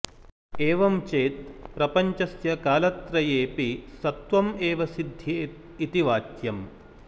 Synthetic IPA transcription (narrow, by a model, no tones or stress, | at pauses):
eːʋɐmt͡ʃeːt̪̚pɾɐpɐɲt͡ʃɐsjɐkaːlɐt̪ɾɐjeːpisɐt̪ʋɐmeːʋɐsid̪ʱːeːt̪ | it̪iʋaːt̪jɐm